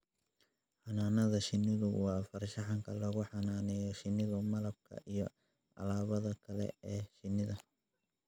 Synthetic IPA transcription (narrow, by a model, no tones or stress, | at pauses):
ħɑnaːnɐðɐʃɪnːɪðʊwɑːfɐrʃɑħɑŋkʰɐlɐɣʊħɑnaːnɛjɔʃɪnːɪðʊmɐlɐb̚kʰɐ̰ʔijɞ | ʔɐ̰laːβɐðɐkʰɐlɛ̰ɛːʃɪnːɪðɐ